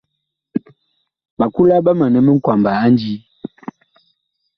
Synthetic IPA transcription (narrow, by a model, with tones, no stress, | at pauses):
ɓa˨ku˦la˦ɓa˦ma˨nɛ˨mə˦ŋ̩˦kwa˨mbaː˨˦n˦d͡ʒi˦